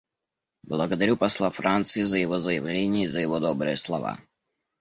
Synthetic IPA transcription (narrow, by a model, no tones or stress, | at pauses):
blˠaɡɔd̪aɾʲupaslˠafɾant̪siɛzajɛvɔzajavlʲɛɲɪɛizajɛvɔd̪ɔbɾɛːslˠɔva̰ː